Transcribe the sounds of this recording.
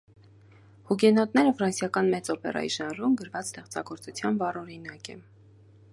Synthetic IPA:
huɡɛnɔt̪nɛɾəfɾɑnsjɑkɑnmɛt͡sɔpɛ̰rɑ̰jḭʃɑnɾumɡəɾvɑt͡sst̪ɛχt͡sɑ̰ɡɔɾt͡sut͡sʰjɑnvɑrɔɾinɑkɛ

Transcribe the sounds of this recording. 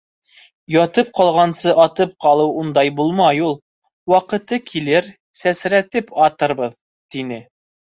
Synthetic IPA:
jɑt̪ɤp̚qɑlˠʁɑnsɤʔɑt̪ɤp̚qɑlˠɤwund̪ɑjbulˠmɑjulˠ | wɑqɤ̆t̪ɤkʰilɘɾ | sæsɾæt̪ɘpɑt̪ɤ̆ɾbɤð | t̪inɘ

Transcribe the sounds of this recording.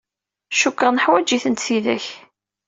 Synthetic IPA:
ʃukːəʁnəħwæd͡ʒiθənt̪θiðæ̰ç

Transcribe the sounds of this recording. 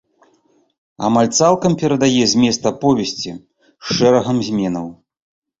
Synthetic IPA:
a̰malʲt̪salˠkɐmpʲɛɾɐd̪ajɛzʲmʲɛst̪ɐpɔvʲɛsʲt͡sʲi | ʂɛɾɐɣɐmzʲmʲɛnɐw

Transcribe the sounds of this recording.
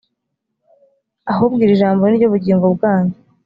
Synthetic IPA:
aɦobɡiːɾiʒaːmboniɾɟoβuɟiːŋɡobɡaːɲda

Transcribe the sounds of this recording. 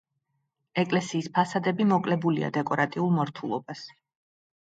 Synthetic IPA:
ɛkʼlɛsiːspʰasad̪ɛbimɔkʼlɛbulia̰d̪ɛkʼɔɾat̪ʼiulˠmɔɾt̪ʰulˠɔbas

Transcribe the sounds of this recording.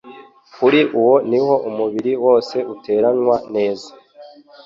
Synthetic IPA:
kuɾiʔuwo̞niho̞ʔumuβiɾiwo̞ːse̞ute̞ːɾanŋwane̞ːzḁ

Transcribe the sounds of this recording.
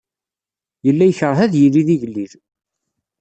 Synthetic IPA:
jəlːæjəçəɾˤɦæðjilːiðiʝəlːið

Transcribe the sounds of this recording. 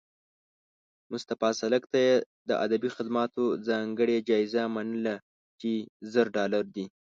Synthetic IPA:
mʊst̪afɑsaləkt̪ajed̪əʔad̪abixɪd̪mɑt̪ozɑŋɡəɽed͡ʒɑɪzamanəla | t͡ʃezəɾɖɑlaɾd̪i

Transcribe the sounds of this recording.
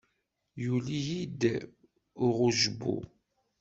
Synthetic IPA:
julijid̪ | ʁʊʒbṵ

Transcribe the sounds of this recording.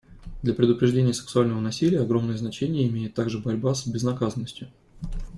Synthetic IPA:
d̪lʲɐpɾʲɪd̪ʊpɾʲɪʐdʲenʲɪjəsɪ̥ksʊalʲnəvənɐsʲilʲɪjəɐɡɾo̞mnəjəznɐt͡ɕenʲɪjəɪmʲejɪt̪ːaɡʐɨbɐɾʲbasbʲɪznɐkazənːəsʲtʲjʊ

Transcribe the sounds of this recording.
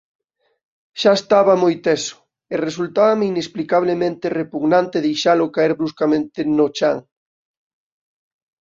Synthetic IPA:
ʃaest̪aβamojt̪esʊ̥ | eresult̪aβameinesplikaβ̞lemẽnt̪erepuɣnãnt̪eðejʃalʊkaeɾβɾuskamẽnt̪ɪnʊt͡ʃaŋ

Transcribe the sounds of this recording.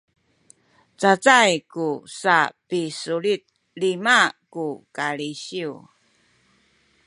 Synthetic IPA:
t͡sat͡sajkusapisuɭit̪̚ | limakukaɭiɕiu

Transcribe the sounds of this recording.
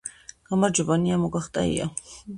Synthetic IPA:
ɡ̥amaɾd͡ʒɔbaniamɔɡaχt̪ʼa̰ḭa̰

